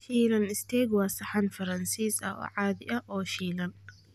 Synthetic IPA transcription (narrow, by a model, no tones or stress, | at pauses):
ʃiːlɐnɪst̪ʰɛːɡwaːsɐħanfɐɾɐnsiːsɐ̰ɔ̰ʕaːðɪ̰ʔɐʔɔːʃiːlɐn